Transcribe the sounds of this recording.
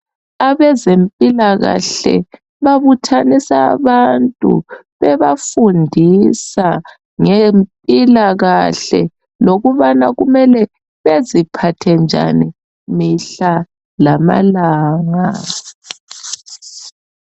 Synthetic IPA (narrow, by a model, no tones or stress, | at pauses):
aβɛzempʼilaɣa̰ɬɛ̰ | βaβutʰanisa̰ːβantʼṵ | βɛβafundʱisa | ŋempʼilaɣaɬɛ̰ | loɣuβanaɣumɛlɛ | βezipʰatʰɛnd͡ʒʱa̰ni | miɬa | lama̰laːŋa̰